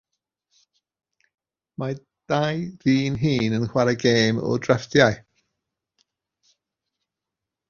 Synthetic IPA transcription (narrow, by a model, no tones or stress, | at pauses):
ma | d̥ajðiːnɦiːnənxwaɾaɡeːmɔ̰drɛfdjaɨ